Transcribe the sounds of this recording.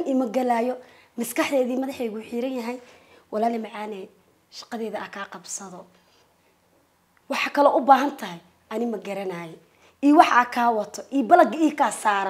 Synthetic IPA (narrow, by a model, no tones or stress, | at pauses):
nimɐɡɐlaːjɔ | mɪskʰɐħd̪ɛːðiːmɐðɑħɛːɣuːħiːɾɐnjɐɦɛj | wʔɑlaːlɛmɑʕɑːnɛː | ʃɑ̥qɑðɛːðɐʔɐkʰaːqɑbsɐðɔ | wɑħɑkʰɐlɔʔʊbaːɦɐnt̪ʰɐɦɛj | ʔɐnɪmɐɡɐɾɐnaːjɛ | iːwɑħaːkʰaːwɑt̪ʰɔʔiːbɐlɐɡiːkʰasaːɾ